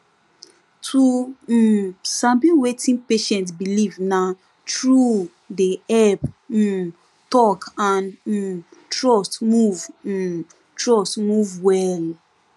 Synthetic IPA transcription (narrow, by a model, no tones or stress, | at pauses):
tʰu | sãbĩwetĩnpeʃɛ̃ntsbilivna | tɹu | deɛp̩ | tɔkãn̩ | tɹɔstmuv̩ | tɹɔstmuvwɛl